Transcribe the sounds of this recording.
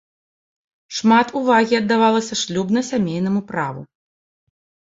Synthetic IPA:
ʂmat̪uvaɣʲiɐd̪ːavalˠɐsʲɐʂlʲubnɐsʲamʲejn̪ɐmupɾavṵ

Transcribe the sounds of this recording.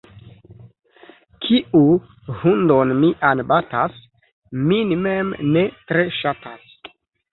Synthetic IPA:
kʰiʔu | hund̪onmiʔanbatas | minimemnetɾeʃatas

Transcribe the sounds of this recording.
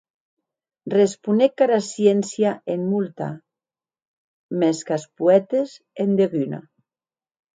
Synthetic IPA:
respunekːaɾasjensjaʔenmult̪a̰ | meskaspuɛt̪ez | end̪eɣyna̰

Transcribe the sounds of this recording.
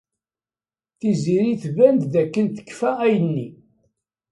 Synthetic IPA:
θiziɾiθvænd̪ðækːənt̪ə̥kːfææjənːi

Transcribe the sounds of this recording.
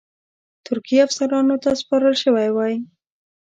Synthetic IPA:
t̪ʊɾkiafsaɾɑnot̪aspɑɾəlʃəwajwɑj

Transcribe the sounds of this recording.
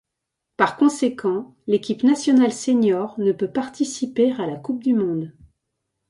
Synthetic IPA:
paʁkɔ̃sekʰɑ̃ | lekʲipnasjɔnalseɲɔʁnəpøpaʁt̪isipeʁalakup̚d̪ymɔ̃d̪

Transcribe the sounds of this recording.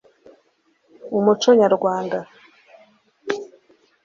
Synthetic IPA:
umut͡ʃoɲaɾɡwaːnda

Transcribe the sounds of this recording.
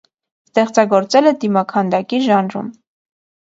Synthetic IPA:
st̪ɛχt͡sɑɡɔɾt͡sɛlɛd̪imɑkʰɑnd̪ɑkiʒɑnɾṵm

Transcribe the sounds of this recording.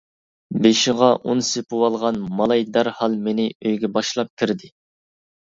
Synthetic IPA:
beʃiʁɑʔunsepuwɑlˠʁɑnmɑlˠɑjd̪æɾhɑlˠmenɪøjɡʲɛbɑʃlˠɑp̚kʲʰiɾd̪ɪ

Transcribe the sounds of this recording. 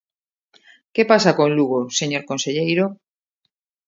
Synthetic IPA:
kepasakonluɣoseɲoɾkonseʎejɾo

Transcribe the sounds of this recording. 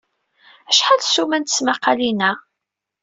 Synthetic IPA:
æʃħalsumænt̪ə̥smaqːɑlinæ

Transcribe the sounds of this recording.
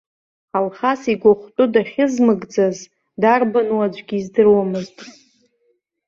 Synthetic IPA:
alχasiɡʷaχʷtʼudaχʲɪzmɨɡd͡zaz | darbanuad͡ʒʷʼɡʲiːzdɨrwamɨztʼ

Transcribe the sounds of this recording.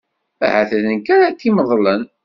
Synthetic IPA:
æ̰haθæðənkaɾat̪ːiməðˤlən

